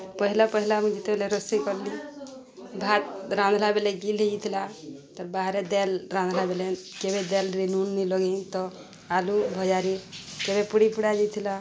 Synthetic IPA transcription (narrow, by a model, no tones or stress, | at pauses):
pəɦilapəɦilamũd͡ʒit̪ebeleɾəsikɔɾli | bʱat̪ɾãnd̪ʱlabeleɡiled͡ʒit̪ʰilat̪ɔɾbaɦɾed̪ɛlɾãnd̪ʱlabelekebed̪ɛlɾinunːilɔɡit̪ɔ | alubʱəjaɾikebepuɽipuɽad͡ʒit̪ʰila